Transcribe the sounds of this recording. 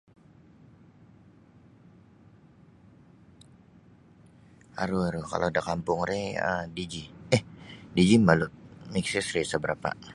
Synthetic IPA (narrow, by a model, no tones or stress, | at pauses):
a̰ɾuaɾuka̰lʔodakampʊŋɾeə̰did͡ʒiɛhdid͡ʒimalʊt̪̚miksɪsɾisəbəɾapa̰